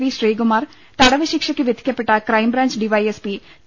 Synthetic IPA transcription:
ʋiːʃɾeːɡʊmaːɾ | t̪aːɽaːʋiːʃɪkʃəkiʋɪt̪kʰjapɪʈaːkɾaːimbɾãːɲt͡ʃɖiːʋaːiɛspiː

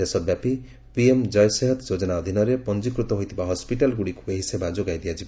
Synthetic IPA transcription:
d̪esɔbjapi | piemd͡ʒɔjɔseɦɔt̪d͡ʒod͡ʒɔnaɔd̪ʱinɔɾepɔnd͡ʒikɾut̪ɔɦojt̪ʰibaɦɔspiʈalɡuɽiku̥eɦisebad͡ʒoɡajd̪ijad͡ʒiba

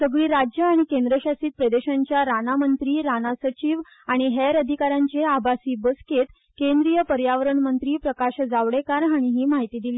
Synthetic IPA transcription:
səɡɭiːɾad͡ʑjəaɽ̃ikend̪ɾəɕasiːt̪̚pɾəd̪eɕãɲt͡ɕjaɾanamənt̪ɾiːɾanasət͡ɕiːʋ | aɽ̃iɦeɾəd̪ʱikaɾjãɲt͡ɕeabʱasiːbəsket̪ | kend̪ɾijəpəɾjaʋəɾəɳmənt̪ɾiːpɾəkaɕd͡zaʋɽekaɾɦaɽ̃iɦiːmaɦit̪iːd̪iliː

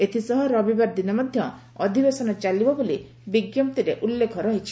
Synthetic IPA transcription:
et̪ʰisɔɦɔɾɔbibaɾd̪inɔmɔd̪ʱjɔ | ɔd̪ʱibesɔnɔt͡ʃalibɔboli | biɡjɔm̚t̪iɾeʔulːekʰɔɾɔɦit͡ʃʰi̥

